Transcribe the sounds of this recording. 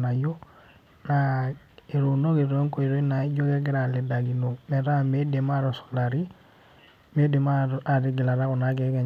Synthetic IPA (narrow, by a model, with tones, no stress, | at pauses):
na˨jo˦ | na˨ | i˨ɾu˨no˦ki˨ɾe˦ŋkɔ˨i˨ɾe˦na˨˦ɟo˦kɛ˦ɡɛ˦ɾa˨lɛ˨da˨ɡi˨no˨mɛ˨ɾa˦me˦de˨ma˦ɾɔ˨sɔ̥˨la˨ɾi˦ | me˦de˨ma˦a˨ɾi˦ɡi˨la˨ɾa˦kɔ˨na˨˦ɡɛ˨˦kɛ˨